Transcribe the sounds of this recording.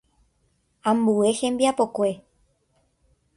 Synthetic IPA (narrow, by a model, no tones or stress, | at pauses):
ãmbuehẽ̞mbiapo̞kʷe̞